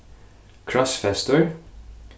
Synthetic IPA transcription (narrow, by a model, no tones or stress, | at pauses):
kʰɹɔsfɛst̪əɹ